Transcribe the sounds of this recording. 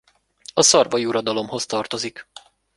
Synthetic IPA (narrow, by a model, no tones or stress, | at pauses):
ɒsɒrvɒjuɾɒd̪ɒlo̞mɦo̞st̪ɒrt̪o̞zik